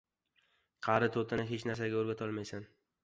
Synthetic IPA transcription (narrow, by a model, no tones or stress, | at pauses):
qʰɑɾɪt̪ʰot̪ʰanɪɦet͡ʃnaɾs̬aɡʲaoɾɡʲat̪ʰɒlˠmajsan